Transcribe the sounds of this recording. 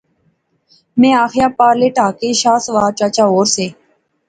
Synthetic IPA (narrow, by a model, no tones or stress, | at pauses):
mɛ̃ːaːxjaːpaːɾleːʈaːkeːʃaːsʋaːt͡ʃaːt͡ʃaːoːɾseː